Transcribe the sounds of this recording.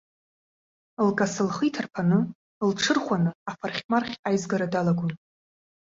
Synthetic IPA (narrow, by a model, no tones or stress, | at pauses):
lkʼasɨlχijtʰarpʰanɨ | lʈ͡ʂʰɨrχʷanɨafarχʲmarχʲajzɡaɾadalaɡʷʊn